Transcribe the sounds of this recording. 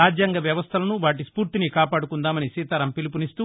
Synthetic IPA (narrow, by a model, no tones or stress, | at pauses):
aːd͡ʒjaːŋɡɐʋjɐʋɐst̪ʰɐlɐnuʋaːʈispuːɾt̪inikaːpaːɽukund̪aːmɐnisiːt̪aːɾɐmpilip̬unist̪uː